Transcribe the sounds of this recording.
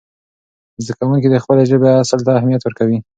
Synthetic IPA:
zd̪akawuŋkid̪əxpəleʒəbeasəlt̪aːhmijat̪wəɾkawi

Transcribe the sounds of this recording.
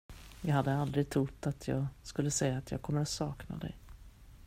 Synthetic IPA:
jɑːɡhad̪ːəald̪ɾɪɡ̚t̪ʰɾʊt̪ːat̪ʰjɑːɡskɵlːəsɛjːaːt̪jɑ̰ːɡ̚kʰɔmːəɾat̪sɑːkna̰d̪ɛ̰j

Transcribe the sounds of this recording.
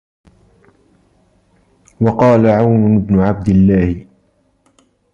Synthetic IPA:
wɑqɑːlaʕawnɪbnʊʕab̚d̪ɪlːaːhɪ

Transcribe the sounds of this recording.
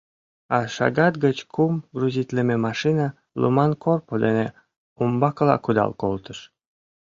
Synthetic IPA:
ɑʃɑ̰ɣɑt̪ɡət͡ɕkʰumɡruzʲit̪lememɑʃinɑ | lṵmɑnkʰorpod̪ene | umbɑkəlɑ̰kud̪ɑ̰lkolt̪əʃ

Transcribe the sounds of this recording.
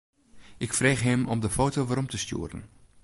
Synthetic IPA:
ʔɪkfreːχɦɪmɔmdəfoːtoʋaːɾɔmtəstjṵːɾə̰n

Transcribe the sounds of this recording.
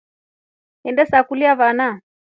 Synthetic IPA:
ɛndɛsakuliaβana

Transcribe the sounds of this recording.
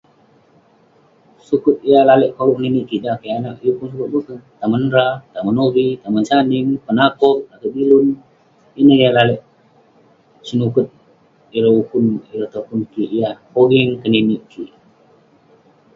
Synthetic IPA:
sukʊt̪̚ijalalɛʔkoɡukniniʔkidakajanaʔiukunsukʊt̪̚mukət̪amanɾat̪amanoɾit̪amant͡ʃanɪŋpənakɔʔ̚at̪abilʊn | inəhijalalɛʔ | sənukʊt̪̚ | iɾaukʊniɾət̪okunkiijakoɡiŋkəniniʔki

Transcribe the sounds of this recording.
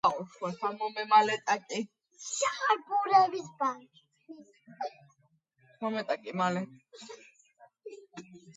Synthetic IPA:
auʃwɛsamɔmɛmalɛt̪ʼakʼi | aχaɾbuɾɛvisbaʃ | mɔmɛt̪ʼakʼimalɛ

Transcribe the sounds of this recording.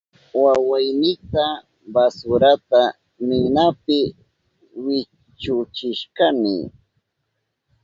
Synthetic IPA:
wawajnɪt̪a | basʊɾat̪a | mɪnapɪ | wɪ | t͡ʃʊt͡ʃɪʃkanɪ̰

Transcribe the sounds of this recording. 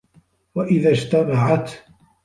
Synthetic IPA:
waʔɪðad͡ʒt̪amaʕat̪

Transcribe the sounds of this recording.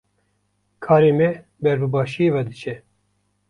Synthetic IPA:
kʰɑːɾeːmɛ | bɛɾbɨbɑːʃijeːvɛd̪ɨt͡ʃʰɛ

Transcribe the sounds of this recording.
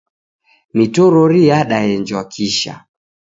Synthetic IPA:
mitɔɾɔɾijaɗajɛnd͡ʒwakʰiʃa̰

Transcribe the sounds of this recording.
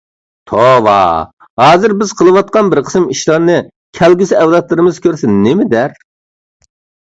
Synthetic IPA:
t̪ʰowɑ̰ | hɑːzɨɾbɪz̥qʰəlˠɨwɑt̪̚qɑnbɪɾqʰə̥sɨmiʃlˠɑɾnɨ | kʲʰælɡʲysɪæwd̪ɑt̪lˠɨɾɨmɨzkʲʰøɾsɪnːɪmɪd̪æɾ

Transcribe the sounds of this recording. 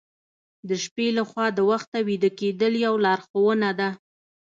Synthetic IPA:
d̪əʃpelaxwɑd̪əwaxt̪awid̪əked̪əljawlɑɾxowənad̪a

